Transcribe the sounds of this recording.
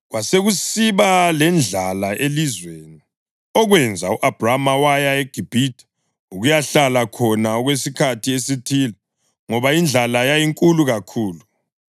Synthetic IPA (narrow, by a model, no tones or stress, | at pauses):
ɣwaseɣusiβalɛnd͡ɮʱalaʔelizweːni | ɔɣwɛnd͡zʱauʔab̥ʱramawajaeɡ̥ʱib̥ʱitʰʼḁ | uɣujaɬalakʰɔnaɔɣwes̬ikʰatʰiesitʰiːla | ŋɔβaind͡ɮʱalajajiŋkʼuluɣakʰuːlu